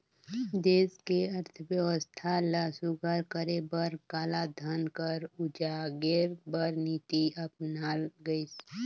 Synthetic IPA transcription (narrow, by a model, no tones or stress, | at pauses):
d̪eːskeəɾt̪ʰəʋjəwəst̪ʰalaːsuɡʱəɾkəɾebəɾkaːlad̪ʱənkəɾʊd͡ʒaːɡeɾbəɾniːt̪iəpnaːlɡəis